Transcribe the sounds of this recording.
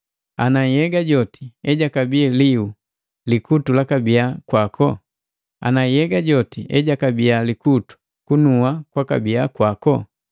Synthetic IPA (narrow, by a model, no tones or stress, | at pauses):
anaijɛɡaɟɔti̥ɛɟakabiɛliu | likutulakabiakwakʰɔ | a̰naijɛɡaɟɔtiʔɛɟakabialikutu̥ | kunuakwaka̰biakwakɔ